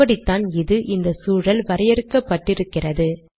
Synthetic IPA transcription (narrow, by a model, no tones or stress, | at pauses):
ɐɽit̪ːaːnɪðɯʔɪnd̪ɐsuːɻɐlʋɐɾɐjɛɾɯkːɐpːɐʈːɪɾɯkːɪrɐðɯ